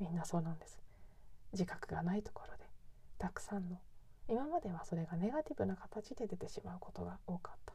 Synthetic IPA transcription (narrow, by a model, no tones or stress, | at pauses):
mʲĩnːaso̞ːnãnd̪esɨ̥d͡ʑikḁkɯ̟ɡanait̪o̥ko̞ɾo̞d̪e̞t̪akɯ̟̥sãnːo̞imamad̪e̞β̞aso̞ɾe̞ɡane̞ɡat̪ʲibɯ̟nakat̪at͡ɕid̪e̞d̪e̞t̪e̞ɕimaɯ̟ko̞t̪o̞ɡao̞ːkḁt̪ːḁ